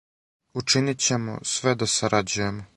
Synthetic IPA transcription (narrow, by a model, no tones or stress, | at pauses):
ut͡ʂinit͡ɕe̞mo̰sʋed̪asaɾad͡ʑuje̞mo